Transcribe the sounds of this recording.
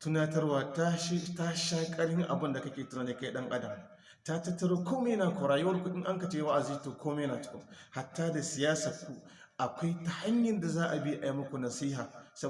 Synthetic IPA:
tu˦na˦tɐ˦rwaː˨tʃta˦ʃaː˦kʼɐ˦ɽɪ˦ŋʔa˨bʊ˦nda˨kɐ˦kʲeː˨tu˦naː˦˨ni˦ka˦jɗɐ˦ŋʔa˦dɐ˨m˨ | ta˦tɐ˦tːɐ˦ɾo˦kʷo˦me˦jɐ˦naː˨kʷo˨ɾaː˨jo˦ɐ˦ɾkʷu˨ʔʲɪ˦ŋʔa˦ŋkɐ˨t͡ʃeː˦wa˦ʔa˨ziː˦toː˨kʰoː˦meː˦jnaː˨t͡ʃɪ̥˦kʲɐ˦ŋha˨tːaː˦da˨sɪ˨jaː˦saː˨kʷu˨ | ʔa˨kʷa˦jta˨ha˦ɲjɐ˨nda˨zaː˦ʔa˨bi˦ʔa˨ji˦mʊ˦kʷu˨nɐ˨siː˦ɦaː˨sɐ˦

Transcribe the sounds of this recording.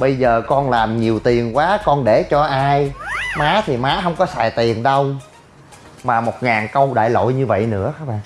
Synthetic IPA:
ɓə˧jzəː˨˩kɔ˧nlaː˨˩mɲi˨˩əwt̪i˨˩əŋkwaː˨˦kɔ˧nɗe˧˩t͡ɕɔ˧ʔaː˧jmaː˨˦t̪ʰi˨˩maː˨˦ɦə˧wŋ͡mkɔ˨˦saː˨˩jt̪i˨˩əŋɗə˧w | maː˨˩mo˨˩t̚ŋaː˨˩nkə˧wɗa̰ː˧˨jlo̰˧˨jɲɨ˧və̰˧˨jnɨ̰˧˥əxaː˦˥ɓa̰ː˧˨ŋ

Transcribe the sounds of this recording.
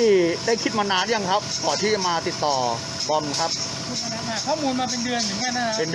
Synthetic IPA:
i˥˩daː˥˩jkʰi˦˥t̪̚maː˧naː˦˥nja˧ŋkʰa˦˥p̚k̪ɔː˨˩t̪ʰiː˥˩t͡ɕa˨˩maː˧t̪i˨˩t̪ːɔː˨˩ | bɔ˧nkʰa˦˥p̚ʰ | u˦˧˩a˧a˧˥a˧˩kʰɔː˥˩muː˧nmaː˧pe˧ndɯ˧ənjŋaː˧˥˩na˦˥pe˧nd

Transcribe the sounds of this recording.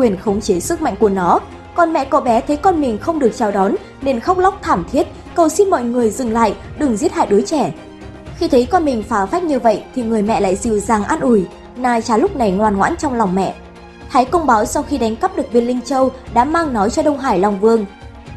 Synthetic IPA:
kwi˨˩ənxə˧wŋ͡mt͡ɕe˨˦sɨ˦˥k̚ma̰˧˨jŋku˧˩ənɔ˨˦ | kɔ˨˧˩nmɛ̰˧˨kɔ˧˩ɓɛ˨˦t̪ʰə˨˦jkɔ˧nmï˨˩ŋ̟xə˧wŋ͡mɗɨ˨˩ək̚t͡ɕaː˨˩wɗɔ˨˦n | ne˧nxa˦˥wk͡p̚la˦˥wk͡p̚t̪ʰaː˧˩mt̪ʰi˦˥ət̚ | kə˨˩wsi˧nmɔ̰˧˨jŋɨ˨˩əjzɨ˨˩ŋla̰ː˧˨jɗɨ˨˩ŋzi˦˥ət̚ha̰ː˧˨jɗo˨˦jt͡ɕɛ˧˩ | xi˧t̪ʰə˨˦jkɔ˧nmï˨˩ŋ̟faː˨˦fa˦˥jk̚ɲɨ˧və̰˧˨jt̪ʰi˨˩ŋɨ˨˩əjmɛ̰˧˨la̰ː˧˨jzi˨˩wzaː˨˩ŋʔaː˧nʔu˧˩j | naː˧jt͡ɕaː˨˦lʊ˦˥k͡p̚na˨˩jŋwaː˨˩nŋwa̰ː˧˥nt͡ɕɔ˧wŋ͡mla˨˩wŋ͡mmɛ̰˧˨ʔ | t̪ʰaː˨˦jkə˧wŋ͡mɓaː˨˦wsɔ˧wxi˧ɗa˨˦jŋ̟kə˦˥p̚ɗɨ˨˩ək̚vi˧nlï˧ŋt͡ɕə˧wɗa̰ː˧˥maː˧ŋnɔ˨˦jt͡ɕɔ˧ɗə˧wŋ͡mɦaː˧˩jlwŋ͡mvɨ˧əŋ

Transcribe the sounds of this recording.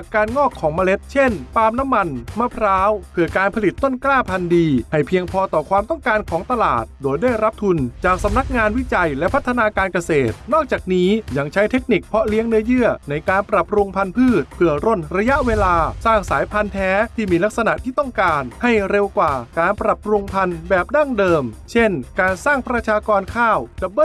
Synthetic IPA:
a˨˩kːaː˧nŋɔː˥˩kʰːɔː˩˦ŋmaː˧le˦˥t̪̚t͡ɕʰe˥˩npaː˧mna˦˥mːa˧nma˧˩pʰɾaː˦˥wpʰɯ˥˩ɐkaː˧npʰa˧li˨˩t̪ːo˥˩nklaː˥˩pʰa˧ndiː˧ha˥˩jpʰi˧əŋpʰɔː˧t̪ɔː˨˩kʰwaː˧mt̪ɔ˥˩ŋkaː˧nkʰɔː˩˦ŋt̪a˧la̰ː˨˩t̪̚doː˧jdaː˥˩jɾa˦˥p̚t̪ʰu˧nt͡ɕaː˨˩k̚sa˨˦mna˦˥k̚ŋaː˧nwi˦˥t͡ɕa˧jlɛ˦˥ʔpʰa˦˥t̪ʰːa˧naː˧kaː˧nka˧seː˨˩t̪̚nɔː˥˩k̚t͡ɕaː˨˩k̚niː˦˥ja˧ŋt͡ɕʰa˦˥jt̪ʰe˦˥k̚ni˨˩k̚pʰɔ˦˥li˦˥əŋnɯ˦˥ɐjɯ˥˩əna˧jkaː˧npɾa˨˩pɾu˧ŋpʰa˧npʰɯː˥˩t̪̚pʰɯ˥˩ɐɾo˥˩nɾa˧ja˦˥ʔweː˧laː˧saː˥˩ŋsaː˩˦jpʰa˧nt̪ʰɛː˦˥t̪ʰiː˥˩miː˧la˦˥k̚sa˧na̰˨˩ʔt̪ʰiː˥˩t̪ɔ˥˩ŋkaː˧nha˥˩jɾe˧wkwaː˨˩kaː˧npɾa˨˩p̚ɾu˧ŋpʰa˧nbɛː˨˩p̚da˥˩ŋdɤː˧mt͡ɕʰe˥˩nkaː˧nsaː˥˩ŋpɾa˧t͡ɕʰaː˧kɔː˧nkʰaː˥˩wda˨˩b̚

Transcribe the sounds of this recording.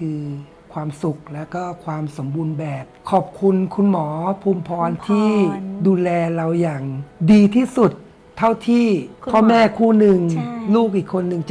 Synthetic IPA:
kʰɯː˧ | kʰwaː˧msu˨˩k̚lɛː˦˥wkɔː˥˩kʰwaː˧mso˩˦mbu˧nbɛː˨˩p̚kʰɔː˨˩p̚kʰu˧nkʰu˧nmɔː˩˦pʰuː˧mpʰɔː˧nt̪ʰiː˥˩duː˧lɛː˧la˧wjaː˨˩ŋdiː˧t̪ʰiː˥˩su˨˩t̪ʰː | a˦˥˩wt̪ʰiː˥˩ɔː˥˩mɛː˥˩kʰuː˥˩nɯ˨˧ŋluː˥˩k̚ʔiː˨˩kʰːo˧nːɯ˨˧ŋt͡ɕ

